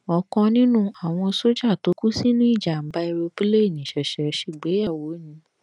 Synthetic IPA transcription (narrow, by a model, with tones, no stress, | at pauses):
ɔ˧kɔ̃˧nĩ˦nũ˦a˨w̃ɔ̃˧so˦d͡ʒa˦˨to˨˦ku˦si˦nũ˦i˦˨d͡ʒa˨m̩˨˦ba˦i˧ɾo˧pi˦le˦e˦˨nĩ˨ʃɛ˨ʃɛ˨ʃe˨ɡ͡be˨˦ja˦˨wo˨˦nĩ˧